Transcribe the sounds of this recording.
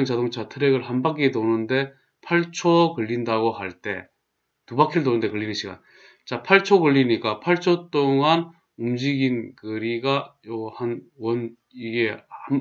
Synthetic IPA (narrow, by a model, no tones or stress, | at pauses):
ɯŋt͡ɕadoŋt͡ɕʰatʰɯɾeɡɯɭhanbak̬͈edonɯnde̞ | pʰaɭt͡ɕʰokɯʎːindaɡohaɭt͈e̞̰ | tubakʰiɾɯɭd̬onɯnde̞kɯɭːinɯnɕʰiɡa̰n | t͡ɕapʰaɭt͡ɕʰoɡɯɭːiɲik͈apʰaɭt͡ɕʰot͈oŋan | umd͡ʑiɡinkɯɾiɡaohanwʌn | iɡeham